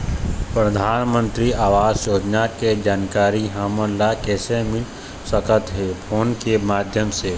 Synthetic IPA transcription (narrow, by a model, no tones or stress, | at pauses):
pɾəd̪ʱaːnmə̃nt̪ɾiaːʋaːzjoːd͡ʒ̪naked͡ʒaːnkaːɾiɦaːməlakɛːsemɪ | səkət̪ɦeːpʰoːnkemaːd̪ʱjəmse